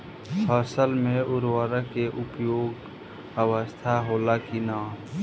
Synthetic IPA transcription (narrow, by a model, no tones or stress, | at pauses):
pʰaːsəlmẽʔʊɾwaːɾakeʔʊpjoːɡ | əʋəst̪ʰaɦoːlakinãː